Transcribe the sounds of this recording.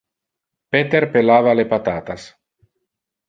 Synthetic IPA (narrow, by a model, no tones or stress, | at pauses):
pet̪eɾpelaːvalepat̪aːt̪as